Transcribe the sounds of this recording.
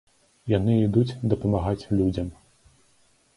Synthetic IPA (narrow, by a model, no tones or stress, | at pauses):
janɨid̪ut͡sʲd̪ɐpɐmaɣat͡sʲlʲud͡zʲɐm